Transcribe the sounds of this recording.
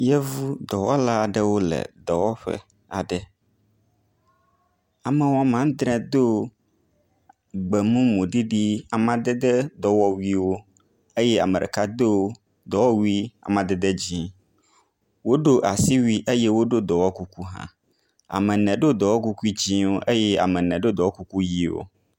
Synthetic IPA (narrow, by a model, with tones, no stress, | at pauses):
jɛ˦vu˦d̪ɔ˨wɔ˦la˦a˨ɖɛ˦wo˦lɛ̰˨d̪ɔ˨wɔ˦ɸɛ̰˦ | a̰˨ɖɛ˦ | a˨mɛ˨wɔ˦mã˦n˦d̪ɾɛ̃˨d̪o˦ | ɡ͡bɛ˨mũ˦mõ˨ɖi˦ɖi˦a˨mã˦d̪ɛ˦d̪ɛ˦d̪ɔ˨wɔ˦wi˦wo˦ | e˦jɛ˦a̰˨mẽ˨ɖḛ˨ka˦d̪e˦ | d̪ɔ˨wɔ˦wi˦a̰˨mã˨d̪e˨d̪e˦d͡ʑĩ˦ | wo˦ɖo˦ʔa˨si˦wi˦ʔe˦je˦wo˦ɖo˦d̪ɔ˨wɔ˦ku˦ku˦ɦã̰˦ | a̰˨mɛ̃˨nɛ̃˨ɖo˦d̪ɔ˨wɔ˦ku˦ku˦i˦d͡ʑĩ˦wo˦ʔe˦jɛ˦a̰˨mɛ̃˨nɛ̃˨ɖo˦d̪ɔ˨wɔ˦ku˦ku˦ji˦wo̰˦